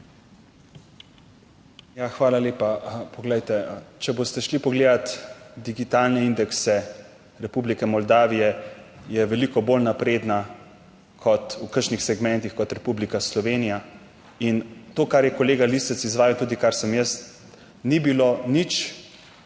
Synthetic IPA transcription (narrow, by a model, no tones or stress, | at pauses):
jaxʋaːlaleːpapɔɡlɛjt̪ɛt͡ʃɛbost̪ɛʃlipɔɡleːd̪at̪d̪iɡit̪alnɛind̪ɛksɛ | ɾɛpublikɛmɔld̪aːʋijɛjɛʋɛlikɔbolnapɾeːd̪na | kʰɔt̪ukəɾʃnixsɛɡmɛnt̪ixkɔt̪ɾɛpublikaslɔʋeːnija | int̪oːkaɾjɛkɔleːɡalist̪ɛt̪sizʋaːjiwt̪uːd̪ikaɾsəmjəs | nibilonit͡ʃ